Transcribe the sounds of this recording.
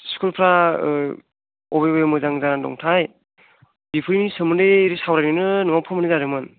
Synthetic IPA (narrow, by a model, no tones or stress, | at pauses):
skulpʰɾa | ɔbejbejmɯzaŋzaɾandɔ̰ŋtʰaj | bipʰɯɾinisɯmɯndeɾisawɾajnɯnɯnɯŋawpʰɯmɯnizaɾɯmɯn